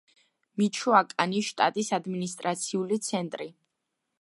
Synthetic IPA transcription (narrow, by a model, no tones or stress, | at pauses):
mit͡ʃʰuakʼaniʃt̪ʼa̰t̪ʼisad̪minist̪ʼɾat̪sʰiulit̪sʰɛnt̪ʼɾi